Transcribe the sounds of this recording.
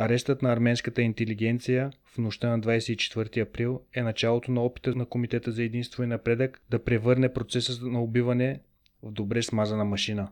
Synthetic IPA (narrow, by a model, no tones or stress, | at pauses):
ɐɾɛst̪ət̪nɐːɾmɛnskət̪əint̪ɛliɡɛnt̪sijəfnoʃt̪ənɐd̪vajsɛit͡ʃɛ̥t̪vɤɾt̪iɐpɾilˠɛnɐt͡ʃalˠot̪onɐɔpi̥t̪ənɐkomit̪ɛt̪əzɐɛd̪inst̪voinɐpɾɛd̪əkd̪ɐpɾɛvɤɾnɛpɾot̪sɛsənɐobivɐnɛ | vd̪obɾɛsmazɐnɐmɐʃinə